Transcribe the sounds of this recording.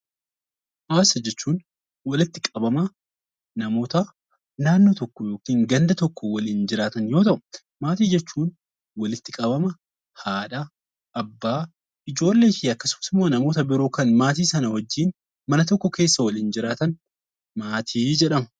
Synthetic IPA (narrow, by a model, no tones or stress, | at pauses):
haːsɐd͡ʒɛt͡ʃːuːn | wɐlɪt̪ːɪkʼɐbɐmɐ | nɐmo̞ːt̪ɐ | naːnːoːt̪ɔkːɔjo̞ːkiːŋɡɐnd̪ɐt̪ɔkːɔwɐliːnd͡ʒɪɾaːt̪ɐnjo̞ːt̪ɐʔʊ̥ | maːt̪iːd͡ʒɛt͡ʃːuːn | wɐlɪt̪ːɪkʼɐbɐmɐ | haːᶑɐ | ʔːbːaː | ɪd͡ʒo̞ːlːe̞ːfɪɐkːɐsʊmɐsɪmːoːnɐmo̞ːt̪ɐbɪɾoːkɐnmaːt̪iːsɐnɐwɐd͡ʒːiːn | mɐnɐt̪ɔkːɔke̞ːsːɐwɐliːnd͡ʒɪɾaːt̪ɐn | maːt̪ʰiːd͡ʒɛᶑɐmɐ̥